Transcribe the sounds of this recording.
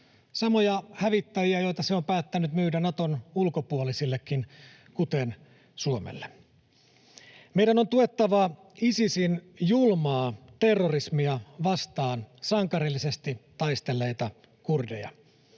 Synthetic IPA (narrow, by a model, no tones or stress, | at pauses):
sɑmo̞jɑhæʋit̪ːæjiæjo̞jt̪ɑseo̞mpæːt̪ːænyt̪myːdænɑt̪onulkopuolisilːekːin | kut̪en | suomḛlːe | me̞ijdænont̪ue̞t̪ːɑʋɑ | isisin | julmɑːt̪e̞rːorismiɑʋɑst̪ɑːnsɑŋkɑɾilːise̞st̪it̪ɑjst̪elːe̞jt̪ɑ | kurdḛjɑ̰